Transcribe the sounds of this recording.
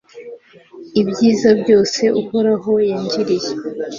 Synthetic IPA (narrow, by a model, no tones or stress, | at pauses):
ibɟiːzabɟo̞ːse̞ʔuhoɾaɦo̞jaɲd͡ʒiɾije